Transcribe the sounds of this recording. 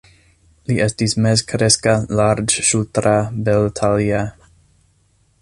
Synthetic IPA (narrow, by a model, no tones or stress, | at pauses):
liʔestismezkʰɾeskalaɾd͡ʒʃultɾabeltʰalia